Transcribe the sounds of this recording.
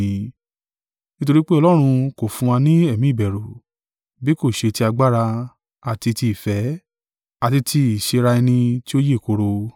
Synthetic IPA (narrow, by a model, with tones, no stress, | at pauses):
nĩ˦to˧ɾi˦k͡pe˦ɔ˧lɔ˦ɾ̃ũ˧ko˨fũ˧a˧nĩ˦ɛ˦˨mĩ˨˦i˦˨bɛ˨ɾo˨ | bi˨˦ko˦˨ʃe˧ti˧a˧ɡ͡ba˦ɾa˧ | a˨ti˧ti˧i˨fɛ˨˦ | a˨ti˧tʰi˧i˨ʃe˧ɾa˧ɛ˧nĩ˧ti˦o˦je˦˨ko˧ɾo˧